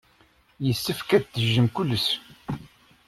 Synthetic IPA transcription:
jəsːəfkæd̪t̪ːəʒːəmkʊlːəs

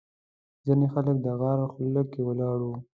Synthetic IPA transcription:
zinexalək̚d̪əɣɑɾaxʊllakːewəlɑɽu

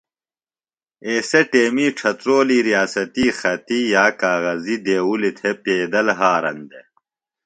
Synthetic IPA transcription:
eːseʈeːmiːʈ͡ʂʰɐt̪ɾoːliːɾijaːsɐt̪iːxɐt̪ijaːkaːɣɐzid̪eːwulit̪ʰepeːd̪ɐlɦaːɾɐ̰nd̪e

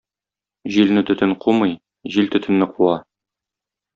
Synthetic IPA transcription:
ʑilnɘt̪ɵ̆t̪ɘɴqʰumɤj | ʑilt̪ɵ̆t̪ʰɘ̆nːɘqʰuɑ

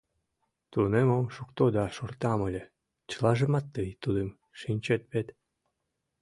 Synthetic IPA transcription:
t̪unemomʃukt̪od̪ɑʃort̪ɑməlʲĕ | t͡ɕə̥lɑʒə̆mɑt̪ːɨjt̪ud̪əm | ʃinʲt͡ɕet̪̚βet̪

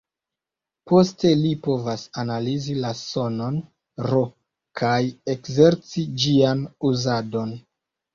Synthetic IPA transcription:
po̞ste̞lipo̞vasanalizilaso̞no̞n | ɾo | kʰaje̞kze̞ɾt͡sid͡ʒianuzado̞n

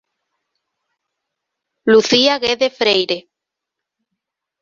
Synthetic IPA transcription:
luθiaɣeðefɾejɾe

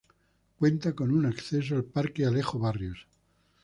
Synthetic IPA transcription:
kwe̞nt̪ako̞nunakθe̞s̬oalpaɾkealexoβarjos

